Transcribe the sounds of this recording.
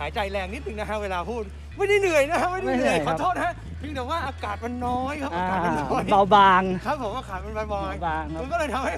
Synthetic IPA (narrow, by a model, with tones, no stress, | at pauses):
haː˩˦jt͡ɕa˧jlɛː˧ŋni˦˥t̪̚ːɯ˧ŋna˦˥ɦa˦˥weː˧laː˧pʰuː˥˩t̪̚ | ma˥˩jmiː˧˩nɯ˨˩əjna˦˥kʰa˦˥ma˥˩jnima˧˥˩jjkɔː˧˦˥t̪ʰoː˥˩t̪̚ha˦˥ʔ | t̪ʰi˧ŋt̪ɛː˨˩kwaː˥˩ʔaː˧kaː˨˩t̪̚ma˧nːɔː˦˥jkʰa˦˥pːaː˧a˨˩˧nnɔ˦˥˧ba˧wbaː˧ŋkʰa˦˥p̚ʰːo˩˦maː˧˩kʰaː˨˩jpa˧nba˧bɔː˧a˧jbaː˧ŋː˦˧nkɔ˥˩lɤː˧jt̪ʰmha˥˩j